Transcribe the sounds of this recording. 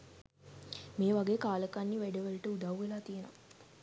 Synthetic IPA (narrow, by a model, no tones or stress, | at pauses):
meːʋaɡeːkaːləkanːiʋeɖəʋəlʈəud̪awːelaːt̪ijena̰